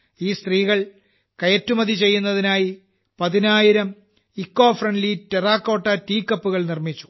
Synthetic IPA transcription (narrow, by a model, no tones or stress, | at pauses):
iːst̪riːɣɐɭ | kɐjɐtːumɐðit͡ɕe̞jːunːɐðinaːji | pɐðinaːjiɾɐm | ikːoːfrɐɳɖliteraːkːo̞ːʈːɐtiːkːɐpːuɣɐɭnirmit͡ɕːu̥